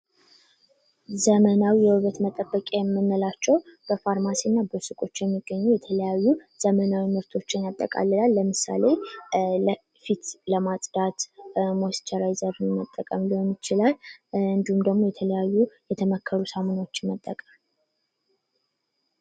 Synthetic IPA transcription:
zəmənawijɛhɨβət̪mət̪ʼəbːəkʼejɛmːɨnːəlat͡ʃːɛwb̥əfaɾmasinːabəsɨkʼo̞t͡ʃːjɛmːiɡːəɲːujɛt̪ʰələjajːuz̥əmənawimɨɾt̪ʰo̞t͡ʃːɪnjat̪ʼːə̰kʼa̰lːɨlalːəmɨsa̰le̞lə | fit̪ləmasʼd̪at̪most̪ʰəɾajzəɾnmət̪ʼːəkʼəmlionjɪt͡ʃɪlalɨnd̪ihumd̪əɡmo̞jɛt̪ʰələjajːujɛt̪ʰəməkʰːəɾusamonot͡ʃːɪmət̪ʼːəkʼəm

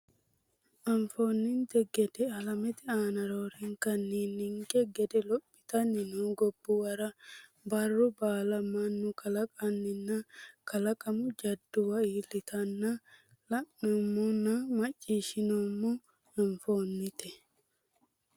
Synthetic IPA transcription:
ʔɐɱfo̞ːnːɪnt̪ɛɡɛd̪ɛɐlɐmɛt̪ɪaːnɐɾoɾɪŋkɐnːiːnːɪŋkʼɛɡɛd̪ɛlɔpʼːɪ̥t̪ɐnːɪnuːɡɔbːʊwɐɾɐ | bɐrːʊbaːlɐmɐnːʊkʰɐlɐkʼɐnːɪnːɐkɐlɐkʼɐmʊd͡ʒɐd̪ːʊwɐiːlːɪt̪ɐnːɐ | lɐʔomːɔnːɐmɐt͡ʃʼːiːʃɪnoːmːɔ | ɐɱfoːnːɪt̪ɛ

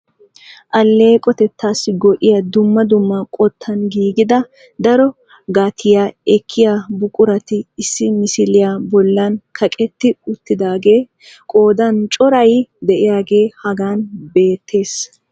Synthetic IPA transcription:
ʔɐlːe̞ːkʼɔt̪ɛt̪ːaːsːɪɡɔʔɪjɐd̪ʊmːɐd̪ʊmːɐkʼɔt̪ʰːɐnɡiːɡɪd̪ɐ | d̪ɐɾɔ | ɡaːt̪ʰɪjaːɛkʰːɪjabʊkʼʊɾɐt̪ɪɪsːɪmɪsɪlɪjabɔlːɐnkʰɐkʼɛt̪ːɪʊt̪ːɪd̪aːɡe̞ː | kʼoːd̪ɐnt͡ʃʼɔɾɐjd̪ɛʔɪjaːɡe̞ːhɐɡaːnbe̞ːt̪ːe̞ːs

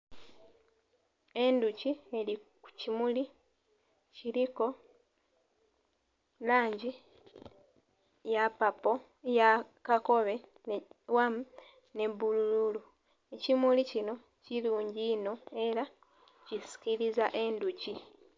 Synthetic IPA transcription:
e̞nducieɾiku̥cimuli | ciɾiko̞ | laːɲɟi | japapo̞ | jakako̞βe̞ | wam | ne̞βulululu | ecimulicino̞ | ciluːɲɟiːno̞e̞ɾa | cisi̥kiɾizaʔe̞nduci

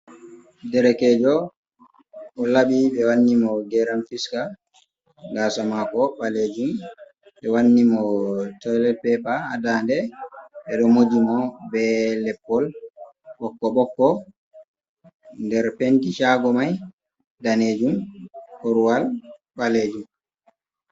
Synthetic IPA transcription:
dɛɾɛkɛd͡ʒɔ | ʔɔlaɓiɓɛwanːimɔɡɛɾanfiska | ɡasamakɔɓaled͡ʒum | ɓɛwanːimɔtɔjlɛt̚pɛpaadandɛɓɛɗɔmod͡ʒimɔbɛlɛpːɔl | ɓɔkːɔɓɔkːɔ | ndɛɾpentiʃaɡɔmaj | daned͡ʒumkoɾuwalɓaleːd͡ʒum

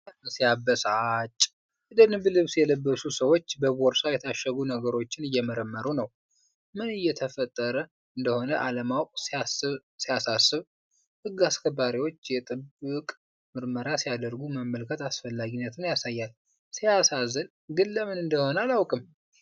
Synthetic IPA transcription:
sijabːəsat͡ʃʼː | ɨd̪ənɨblɨβsjɛləbːəsusəwo̞t͡ʃːbəβoɾsajɛt̪ʰaʃːəɡunəɡəɾo̞t͡ʃːɪnɨjːɛməɾəmːəɾunəw | mɨnɨjːɛt̪ʰəfət̪ʼːəɾə | ɨnd̪əho̞nəʔaləmawkʼs | sijasasːɨβ | hɨɡːaskʰəbːaɾiwo̞t͡ʃːjɛt̪ʼɨbɨkʼ | mɨɾməɾasijad̪əɾɡuməmːəlkʰət̪asfəlːaɡinːət̪ʰɨnjasajːal | sijasazən | ɡɨlːəmɨnɨnd̪əho̞nəalawkʼɨm

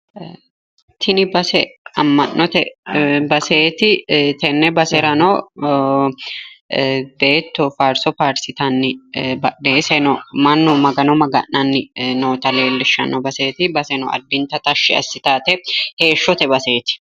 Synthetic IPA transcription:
t̪ʰɪnɪbɐsɛɐmːɐʔːɔt̪ɛbɐse̞ːt̪ɪt̪ɛnːɛbɐsɛɾɐnɔ | be̞ːt̪ːɔfaːɾsɔfaːɾsɪt̪ɐnːɪbɐᶑeːsɛnɔmɐnːɔmɐɡɐnɔmɐɡɐ̰nːɐnːɪnoːt̪ɐle̞ːlːɪʃːɐ̰nɔbɐseːt̪ɪbɐsɛnɔ̰ʔɐ̰d̪ːɪnt̪ɐt̪ɐʃːɪɐ̰sːɪt̪aːt̪ɛhe̞ːʃːɔt̪ɛbɐse̞ːt̪ɪ̥

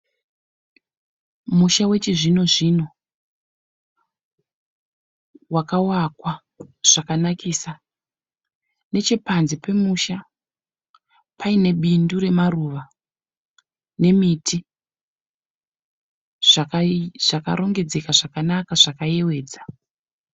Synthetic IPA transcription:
muʃawe̞t͡ʃiʐino̞ʐino̞ | wakawakwa | ʐ̥akanakʰiːsa | ne̞t͡ʃe̞panzipe̞muʃa | pʰaine̞ɓinduɾe̞maruʋa | ne̞mitʰi | ʐ̥akaʐ̥aka̰ɾʔo̞ŋɡe̞d͡ze̞kaʐakanakaʐakaje̞we̞ːd͡za

